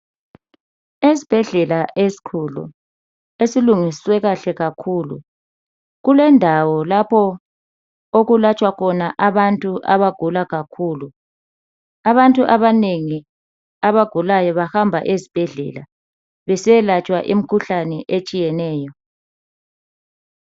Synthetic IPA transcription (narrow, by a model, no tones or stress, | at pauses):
esi̥b̥ʱɛɮɛlaʔesi̥kʰulṵ | esiluŋiswɛɣaɬɛɣakʰuːlṵ | ɣulɛndʱawɔlapʰɔ | oɣulat͡ʃʼwakʰɔnaʔaβantʼuʔaβaɡ̥ʱulaɣakʰuːlu | aβantʼuʔaβaneŋi | aβaɡ̥ʱulajɔβahambʱa̰ʔezib̥ʱɛɮɛ̰la | βɛsɛlat͡ʃʼwaʔim̩kʰuɬanɛʔet͡ʃʼijɛnɛːjɔ